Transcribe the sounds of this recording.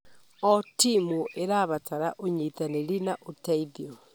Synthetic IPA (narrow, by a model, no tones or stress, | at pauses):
ɔtimuʔeɾaβataɾaʔoɲitaneɾinaʔotaiðio